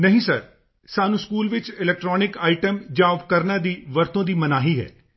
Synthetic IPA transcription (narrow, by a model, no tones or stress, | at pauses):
nəɦĩːsəɾ | saːnũːskuːlʋɪt͡ʃɪlɛːk̚ʈɾɔːnɪkaːɪʈəmd͡ʒaːʋkəɾnaːd̪iːʋəɾt̪õːd̪iːmənaːɦiːɦɛ̰ː